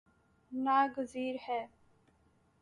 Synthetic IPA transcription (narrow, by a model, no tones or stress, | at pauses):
naːɡəziːɾhɛː